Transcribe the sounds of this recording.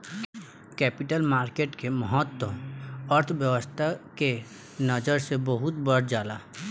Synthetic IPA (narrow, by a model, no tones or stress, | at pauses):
kɛːpɪʈəlmaːɾkeːʈkeməɦət̪wəəɾt̪ʰʋjəʋəst̪ʰake | nəd͡ʒəɾsebəɦʊt̪bəɽd͡ʒaːlaː